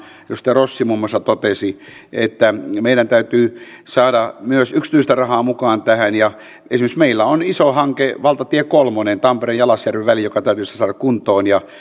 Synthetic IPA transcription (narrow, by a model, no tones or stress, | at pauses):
josi̥t̪ːˑærosːimumːɑsɑt̪ot̪esiet̪ːæmeiɾænt̪æyt̪yː | sɑːɾɑmyøsykst̪yist̪ærɑhɑːmukɑːnt̪æhænjɑ | esimeksmeilːæonisohɑŋkeʋɑlt̪ɑt̪iekolmonent̪ɑmpereːjjɑlɑsjærʋeʋʋælijjokɑt̪æyt̪yst̪æsɑːɾɑkkunt̪ˑoːnjɑ